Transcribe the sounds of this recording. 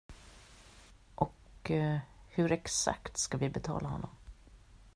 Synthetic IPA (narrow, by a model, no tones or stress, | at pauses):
ʔɔk | hɵɾɛksa̰kt̪skavɪbɛt̪ʰɑ̰ːlahɔnːɔm